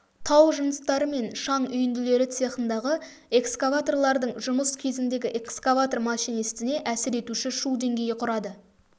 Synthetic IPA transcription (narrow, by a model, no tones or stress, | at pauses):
t̪ʰɑwʒənəst̪ɑɾəme̞nʃɑɴʏjɪnd̪ɪle̞ɾɪt̪sijɑqənd̪ɑʁə | e̞kskavat̪o̞rlˠɑɾd̪əɴʒʊməskʲʰe̞zɪnd̪e̞ɡʲɪʔe̞kskavat̪ormɑʃijnest̪ɪne̞ʔæsɪɾe̞t̪uʃɪʃud̪e̞ŋɡʲe̞jɪqʰʊɾɑd̪ə